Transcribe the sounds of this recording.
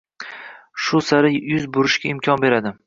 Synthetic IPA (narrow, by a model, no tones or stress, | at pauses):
ʃʊsaɾɪjʊzbʊɾɪʃkʲaɪmkʲʰɒnbe̞ɾad̪ɪ